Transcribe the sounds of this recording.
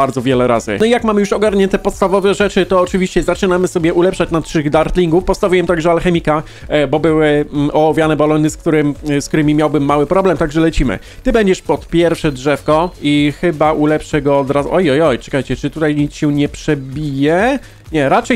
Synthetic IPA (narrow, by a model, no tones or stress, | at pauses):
aɾd̪zɔvʲjɛlɛɾa̰zɘ̰nɔijakmamɘjuʂɔɡaɾɲɛnt̪ɛpɔt̪st̪avɔvɛʐɛt͡ʂɘt̪ɔːt͡ʂɘvʲiɕt͡ɕɛzat͡ʂɘnamɘsɔbʲjɛʔulɛpʂat͡ɕnat̪ʂɘɣd̪aɾt̪lʲiŋɡufpɔst̪avʲujɛmt̪aɡʐɛalxɛmʲika | bɔbɘwɘʔɔwɔvʲjanɛbalɔnɘsk̚t̪uɾɘmsk̚t̪uɾɘmʲimʲjawbɘmːawɘpɾɔblɛmt̪aɡʐɛlɛt͡ɕimɘ̰ | t̪ɘbɛɲd͡ʑɛʂpɔt̪pʲjɛɾfʂɛdʐɛfkɔixɘbaʔulɛpʂɛɡɔːd̪ɾazʔɔjɔjɔjtɛ̥kajt͡ɕɛt͡ʂɘt̪ut̪ajɲit̪sɕɛ̃ɲɛpʂɛbʲijɛ | ɲɛɾat͡ʂɛj